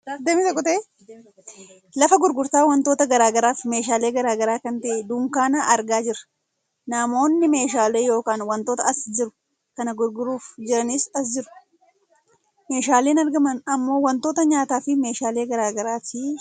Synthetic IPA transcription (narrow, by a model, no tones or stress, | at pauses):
d̪emɪt̪ɐkʼːʊt̪e | lɐfɐɡʊɾɡʊɾt̪aːwɐnt̪o̞ːt̪ɐɡɐɾaːɡɐɾaːfme̞ːʃaːle̞ːɡɐɾaːɡɐɾaːkɐnt̪ɐʔɛd̪uːŋkaːnaʔɐɾɡaːd͡ʒɪɾɐ̥ | naːmo̞ːnːɪme̞ːʃaːle̞ːjo̞ːkaːnwɐnt̪oːt̪ɐɐsd͡ʒɪɾʊ̥ | kɐnɐɡʊɾɡʊɾuːfd͡ʒɪɾɐniːsɐsd͡ʒɪɾʊ̥ | me̞ːʃaːleːnɐɾɡɐmɐnɐmːo̞ːwɐnt̪o̞ːt̪ɐɲaːt̪aːfɪme̞ːʃaːleːɡɐɾaːɡɐɾaːt̪ɪ